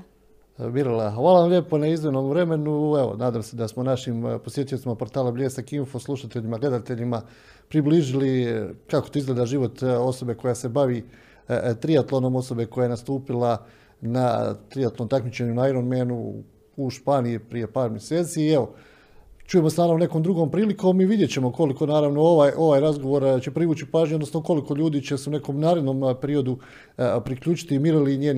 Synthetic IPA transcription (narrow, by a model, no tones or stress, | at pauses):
miɾolaxʋaːlaʋamʎe̞ːponaizʋenomvɾe̞me̞nueʋo̰naːd̪aːmse̞d̪asmonaʃimposje̞t̪ijo̞t̪imapo̞ɾt̪aːlabʎeːsakinfo̞slˠuʃat̪eʎimaɡle̞d̪at̪e̞ʎima | pɾibliʒilikakot̪oizɡled̪aʒiʋo̞t̪o̞so̞be̞ko̞jase̞baʋi | t̪ɾiat̪lˠono̞mo̞so̞be̞ko̞jajenast̪uːpilˠa | nat̪ɾijat̪lo̞mt̪akmit͡ɕe̞ɲunaiɾonmenṵ | uʃpaːnijipɾije̞paːɾmjeseːt̪siːeʋo | t͡ʃuje̞most̪ʋaːɾaune̞ko̞md̪ɾuɡo̞mpɾiːliko̞miʋid̪jet͡ɕe̞mo̞ko̞liko̞naːɾaʋno̞oʋajʔo̞ʋaːjɾazɡo̞ʋo̞ɾt͡ɕe̞pɾiʋuːt͡ɕipaːʒɲuod̪nosnoko̞liko̞ʎuːd̪iːt͡ɕe̞seune̞ko̞mnaːɾe̞d̪nompe̞ɾio̞d̪u | pɾikʎuːt͡ʃi̥t̪imiɾaliɲeːn